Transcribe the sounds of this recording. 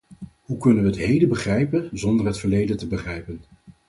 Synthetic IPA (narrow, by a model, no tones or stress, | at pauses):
ɦukɵnənʋəətɦejdəbəχrɛjpənzɔndəɹɦətfəɹlejdəntəbəχrɛjpən